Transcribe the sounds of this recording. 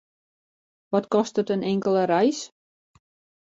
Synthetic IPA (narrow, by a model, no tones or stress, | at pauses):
ʋɔtkɔstətənɪŋkəlˠəɾɛjs